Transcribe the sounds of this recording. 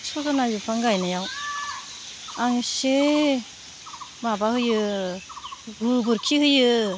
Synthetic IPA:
sʰɔzanajupʰaŋɡajnajaw | aŋse | mabahɯjɯ | ɡɯbɯɾkʰihɯjɯ

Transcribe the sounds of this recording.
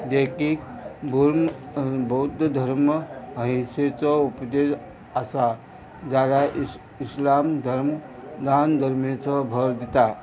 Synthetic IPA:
d̪ekikbuɾ | bəut̪d̪ʱəɾmməɦiset͡sɔupd̪es | əsa | d͡ʒaːɾa | ɪslamd̪ʱəɾmd̪and̪ʱəɾmet͡sɔbʱəɾd̪it̪a

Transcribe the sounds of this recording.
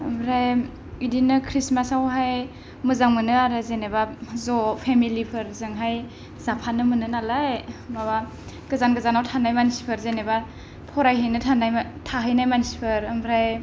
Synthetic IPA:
əmɾaj | idinɯkʰɾismasawɦaj | mɯzaŋmɯnɯaɾɯzenebazɔpʰemilipʰɯɾzɯŋɦaj | zapʰanɯmɯnɯnalajmaβa | ɡɯzanɡɯzanawtʰanajmansi̥pʰɯɾzeneba | pʰɔɾajɦɯjnɯtʰanajtʰaɦɯjnajmansi̥pʰɯɾɯmɾaj

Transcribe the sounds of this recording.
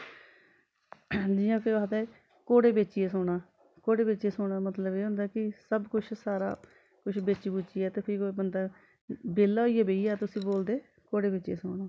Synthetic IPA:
d͡ʒiːãːkʰɪaːd̪aɛ | koːɽeːbeːt͡ʃiɛːsoːɽɳaː | koːɽeːbeːt͡ʃieːsʊːɽ̃aːmət̪ləbeːɦʊ̃nd̪aːkɪsəbkʊt͡ʃʰsaːɾaː | kʊt͡ʃʰbeːt͡ʃiːbuːt͡ʃiːɛːt̪eːpʰɪɾkoːebənd̪aː | beːlaːiːɛːbeiːaːt̪ʊsĩːboːld̪eː | koːɽeːbeːt͡ʃieːsoːɳaː

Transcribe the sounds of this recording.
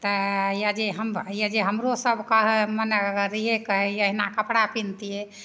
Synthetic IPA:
t̪əjad͡ʒeɦəmjad͡ʒeɦəmɾosəbʱkəɦmənɾiɦekəɦɛəɦinakəpɽapint̪ie

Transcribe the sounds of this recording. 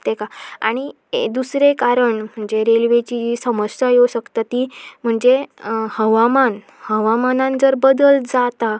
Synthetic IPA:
t̪ekaa̰ɽ̃i | ḛd̪usɾekaɾəɳm̤əɳd͡zeɾelʋet͡ɕid͡ʑisəməssajoɕəkt̪at̪iːm̤əɳd͡zehəʋaman | həʋamanãnd͡zəɾbəd̪əld͡zat̪a

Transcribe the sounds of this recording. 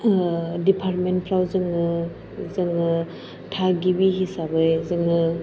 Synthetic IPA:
dipʰaɾ̚ment̚pʰɾawzɯŋɯ | zɯŋɯ | tʰaɡibiɦisabɯjzɯŋɯ

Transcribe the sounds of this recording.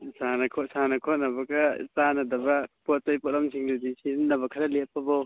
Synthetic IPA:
sanɐkʰɔsanɐkʰɔt̚nɐbɐɡɐsanɐdɐbɐpɔt̚tajpɔtlamsʰiŋdudisinnɐbɐkʰɐɾɐlepːɐbaw

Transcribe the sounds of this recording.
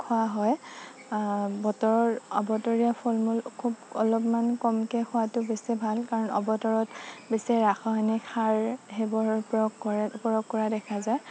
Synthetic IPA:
kʰɔwaɦɔj | bɔtɔɹɔɹɔbɔtɔɹiapʰolmulkʰubɔlɔpmankɔmkɛkʰʊwatʊbesɛbʱalkaɹɔnɔ̰bɔtɔɹɔtbesɛɹaxʰɔɦanɛkʰaɹɦebɔɹpɹɔjɔɡkɔɹɛpɔɹɔɡkːɔɹadɛkʰazaj

